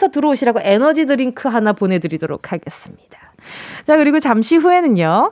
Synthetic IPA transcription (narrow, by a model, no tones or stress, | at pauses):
sʰʌtɯɾʌoɕʰiɾaɡoʔe̞nʌd͡ʑidɯɾinkʰɯɦanapone̞dɯɾidoɾo̰k̚ʰhaɡe̞s͈ɯmɲid̥ḁ | t͡ɕakɯɾiɡot͡ɕamɕʰiɸue̞nɯɲjo